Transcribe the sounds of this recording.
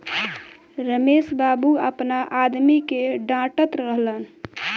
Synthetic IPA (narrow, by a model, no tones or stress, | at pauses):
ɾəmesbabuəpnaʔad̪mikeɖãʈət̪ɾəɦlən